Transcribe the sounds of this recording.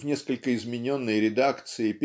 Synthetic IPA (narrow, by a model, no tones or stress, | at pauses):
vnʲe̞skəlʲkəɪzmʲɪnʲo̞nːəjɾʲɪd̪akt̪sɨɪpʲ